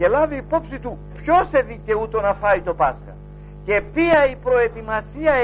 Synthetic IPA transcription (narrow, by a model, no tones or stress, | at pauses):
e̞lɐviːpo̞psit̪u | pço̞se̞ðice̞ut̪o̞nɐfɐit̪o̞pɐskɐ̰ | ce̞piɐipɾo̞e̞t̪imɐsiɐ